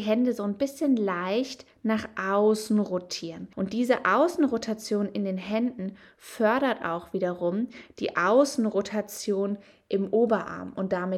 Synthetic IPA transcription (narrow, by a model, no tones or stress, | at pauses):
ɦɛndəzoːnbɪsçənlaɪçt | naːχʔaʊsn̩ʁotʰiːʁənʔʊnt̚d̥iːzəʔaʊsn̩ʁotʰat͡sjoːnɪndeːnɦɛndn̩ | fœɐɾɐta̰ʊxv̥iːdɐʁʊmd̥ḭːʔaʊsn̩ʁotʰat͡sjoːn | ʔɪmʔoːbɐʔa̰ɐmʊnt̚d̥amɪ